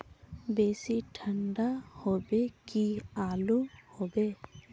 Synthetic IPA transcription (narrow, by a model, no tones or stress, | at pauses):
beːsiʈʰəɳɖahobekiaːluhobe